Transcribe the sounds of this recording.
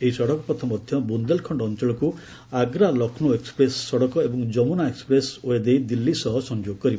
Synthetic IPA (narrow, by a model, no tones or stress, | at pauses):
eɦisɔɽɔkɔpɔt̪ʰɔmɔd̪ʱjɔbund̪elkʰɔɳɖɔːnt͡ʃɔɭɔku | aɡɾalɔkʰnoekspɾesːɔɽɔkɔebɔŋd͡ʒɔmunaekspɾesoed̪ejd̪ilːisɔɦɔsɔnd͡ʒoɡɔkɔɾib